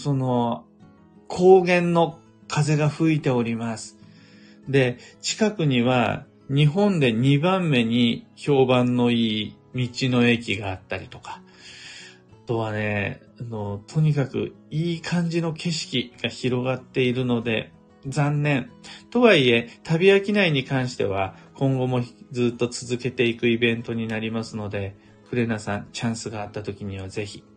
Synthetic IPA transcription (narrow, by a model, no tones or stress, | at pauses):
so̞no̞ | kʰo̞ːɡẽ̞nːo̞ | kʰaze̞ɡaɸɯ̟it̪e̞o̞ɾʲimasɨ̥ | d̪e̞t͡ɕi̥kakɯ̟ɲ̟iβa̰ | ɲ̟iɦõ̞nd̪e̞ɲ̟ibãmːe̞ɲ̟iço̞ːbãnːo̞iː | mʲit͡ɕino̞e̞kʲiɡaːt̪ːaɾʲit̪o̞kḁ | t̪o̞βane̞̰ | ano̞t̪ʰo̞ɲ̟ikakɯ̰ | iːkʰãɲ̟d͡ʑino̞ke̞ɕi̥kʲiɡ̥açiɾo̞ɡat̪ːe̞iɾɯ̟no̞d̪e̞̰ | d͡zãnːẽ̞nt̪o̞βaie̞t̪abʲiakʲinaiɲ̟ikãɰ̃ɕi̥t̪e̞β̞akõ̞ŋɡo̞mo̞d͡zɨːt̪ːo̞t͡sɨzɨke̞t̪e̞ikɯ̟ibẽ̞nt̪o̞ɲ̟inaɾʲimasɨno̞d̪e̞ | kɯ̟ɾe̞nasãɲt͡ɕãɰ̃sɨɡaːt̪ːat̪o̞kʲiɲ̟iβaze̞çi̥